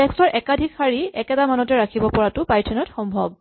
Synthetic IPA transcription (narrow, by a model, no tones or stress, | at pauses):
tɛstɔɹʔɛkadʱikxaɹiɛkɛtamanɔtɛɹakʰibɔpɔɹatʊpajtʰɛnɔtxɔmbʱɔb̚